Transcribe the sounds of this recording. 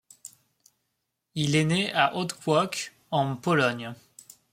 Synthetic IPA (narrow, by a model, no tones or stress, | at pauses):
ileneaʔod̪kwɔk | ɑ̃pɔlɔɲ